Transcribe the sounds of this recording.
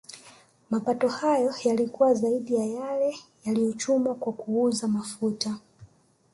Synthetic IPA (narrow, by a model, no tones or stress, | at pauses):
mapatɔhajɔjalikuwazaiɗijajalɛjalijɔt͡ʃumwakwakuuzamafuta